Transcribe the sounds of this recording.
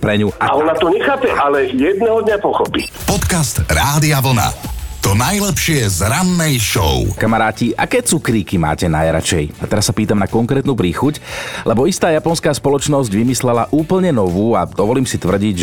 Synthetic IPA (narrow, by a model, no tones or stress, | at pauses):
pɾɛɲuaaɔnat̪ɔɲɛxaːpɛʔalɛjɛd̪nɛɦɔd̪ɲapɔxɔpi | pɔt̪kast̪ɾaːd̪iaʋl̩na̰t̪ɔnajlɛpʃɪɛzɾanːɛjʃɔ̰ʊkamaɾaːciʔa̰kɛːt͡sukɾiːkima̰ːcɛnajɾa̰t͡ʃɛjat̪ɛɾasːapiːt̪amnakɔŋkɾɛːt̪nuːpɾiːxuclʔɛbɔist̪aːjapɔnskaːspɔlɔt͡ʃnɔzɟʋimislɛlaʔuːpl̩ɲɛnɔʋuːad̪ɔʋɔliːmsit̪ʋr̩ɟiɟ